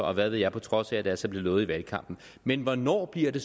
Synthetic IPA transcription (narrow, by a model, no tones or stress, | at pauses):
ɒ̽ʋæðʋeðˠjɑ̈ɪpʰɒ̽t͡sʰʁɒ̽sææd̥ælsɒb̥le̝lɔ̽ːð̩ˠiʋælkʰɑ̈m̰b̥n̩ | menʋɒnɒ̰ːb̥liɐ̰d̥e̝